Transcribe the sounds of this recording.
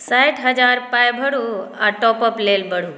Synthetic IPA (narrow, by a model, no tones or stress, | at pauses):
sajʈʰɦəd͡ʒaːɾpajbʱəɽuaʈɔːpəpleːlbʱəɽuː